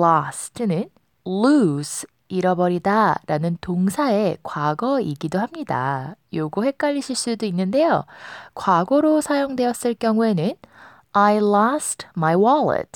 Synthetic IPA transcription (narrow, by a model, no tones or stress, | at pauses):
lastʰɯnɯn | lus | iɾʌbʌɾidaɾanɯntoŋsʰae̞kwaɡʌiɡidohamɲida̰joɡuhe̞k͈aʎːiɕʰiɭs͈udoinːɯnde̞jokwaɡʌɾosʰajoŋdwe̞jʌs͈ɯɭk͈jʌŋue̞nɯn | ajlastmajwʌlḛtʰ